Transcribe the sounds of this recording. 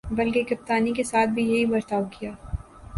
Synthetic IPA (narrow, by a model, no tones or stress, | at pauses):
bɐlkekɐp̚t̪aːnikesaːt̪̚ʰbʱijɐɦibɐɾt̪aːbkijaː